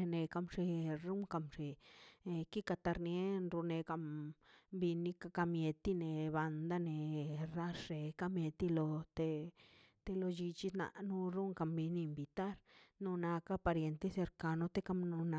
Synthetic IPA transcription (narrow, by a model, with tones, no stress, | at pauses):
ne˧ka˧mʂe˧ɾu˦ŋka˧mʂe˧ | ki˦ka˧t̪a˧ɾnje˦nɾu˧ne˧ka˧mbi˧ni˧ka˧ka˧mje˧t̪i˦ne˨βa˧nd̪a˦ne˨ɾa˦ʂe˨ka˧mje˧t̪i˧lo˧t̪e˧ | t̪e˧lo˧d͡ʒi˧t͡ʃi˦na̰˧ʔnu˦ɾu˦ŋka˧mbi˧niː˧mbi˧t̪a˦ɾnu˧na˧ka˦pa˧ɾje˧nt̪e˦se˧ɾka˧no˧t̪e˦ka˧mno˧n˧